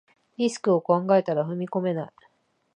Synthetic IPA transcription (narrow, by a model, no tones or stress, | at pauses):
ɾʲisɨ̥kɯ̟o̞kãŋɡae̞t̪aɾaɸɯ̟mʲiko̞me̞nai